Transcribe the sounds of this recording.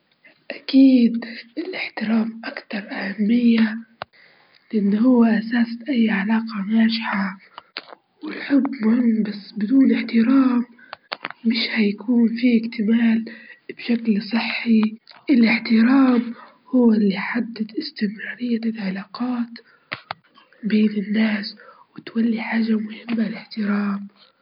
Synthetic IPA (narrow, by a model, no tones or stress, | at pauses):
ʔakiːd̪ʔɪlʔɪħt̪ɪɾaːmʔakt̪ɑɾˤʔahamːɪjːa | lɪʔanːhʊwːaʔasaːsʔajːʕalaːqɑmaːʃɪħa | wɪlħʊbːmʊhɪmːbasːbɪd̪uːnʔɪħt̪ɪɾaːmː | ɪʃhajakʰuːnfiːɪɡt̪ɪmaːlb̥ʃaklsˤɨħːiʔɪlɪħt̪ɪɾaːm | hʊwːaʔɪlːiħad̪ːad̪ʔɪst̪ɪmɾaːɾɪjːaɪlʕalaːqaːt̪ | beːnɪnːaːswɪt̪walːiħaːʒamʊhɪmːalɪħt̪ɪɾaːm